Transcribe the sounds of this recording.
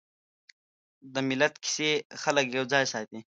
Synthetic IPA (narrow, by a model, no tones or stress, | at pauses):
d̪əmilɐt̪kʰi̥sexɐləkjowd͡zaːjsaːt̪i